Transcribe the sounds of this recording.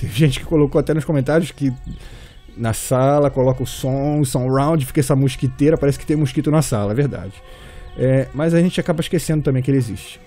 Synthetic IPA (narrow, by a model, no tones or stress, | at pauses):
t̪ẽj̃ṽʒẽnt͡ʃɪ̥kɪ̥kolokoat̪ɛnʊʃkõmẽnt̪aɾjʊskɪ | nɐsalɐkolɔkɐʊsõʊsõɾãw̃nd͡ʒɪfi̥kɐɛsɐmuʃkit̪eɾɐpaɾɛsɪkɪt̪ẽj̃muʃkit̪ʊnɐsalɐɛvehd̪a̰d͡ʒɪ | ɛmɐzaʒẽnt͡ʃɪakabɐiʃkesẽd̪ʊt̪ɐ̃bẽj̃kɪelɪezḭʃt͡ʃɪ̥